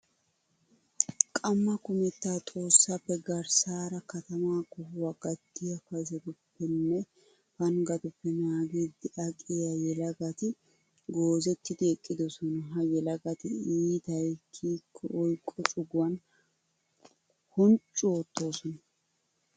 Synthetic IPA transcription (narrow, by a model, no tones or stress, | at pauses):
kʼɐmːɐkʊmɛt̪ːaːt̪ʼo̞ːsːapːɛɡɐɾsaːɾɐkɐt̪ɐmaːkɔwɐɡ̥ɐd̪ːɪjɐfɐzɛt̪ʊpːɛnːɛ | fɐnɡɐt̪ʊpːɛnaːɡiːd̪ɪʔɐkʼɪjɐjɛlɐɡɐt̪ɪ | ɡoːzɛt̪ːɪd̪ɪɛkʼːɪd̪ɔsɔnɐɦɐjɛlɐɡɐt̪ɪiːt̪ɐjkʰːiːkʰːɔʔɔjkʼːɔt͡ʃʼʊɡwɐn | hɔnt͡ʃʼːʊot̪ːo̞ːsɔnɐ